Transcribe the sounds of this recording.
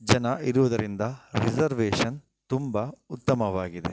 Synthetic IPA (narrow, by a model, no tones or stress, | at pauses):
d͡ʒɐnɐʔiɾuʋɐd̪ɐɾind̪ɐɾid͡ʒɐɾʋeːʂɐn | t̪umbɐut̪ːɐmɐʋaːɡid̪e